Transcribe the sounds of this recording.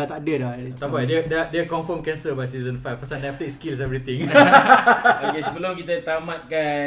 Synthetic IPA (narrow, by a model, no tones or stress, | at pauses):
t̪adədlaapadɛdɛdɛkɔ̃nfəmkɛ̃nsəbajsizə̃nfajffasanɛflikskils̬ɛvɾit̪ĩŋ | okesəbəlʊmkit̪ət̪amãt̪̚ka